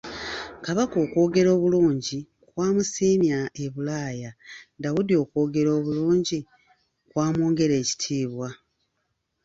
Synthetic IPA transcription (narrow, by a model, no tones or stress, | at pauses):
kaβako̞ːkwo̞ːɡe̞ɾo̞ːβuluːɲɟi | kwaːmusiːmjaeβulaːjandaβudio̞ːko̞ːɡe̞ɾo̞ːβuluːɲɟi | kwaːmoːŋɡe̞ɾe̞ːci̥tʰiːβwa